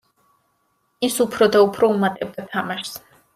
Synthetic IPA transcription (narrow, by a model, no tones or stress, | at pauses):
isupʰɾɔd̪aupʰɾɔumat̪ʼɛb̚d̪at̪ʰamaʃs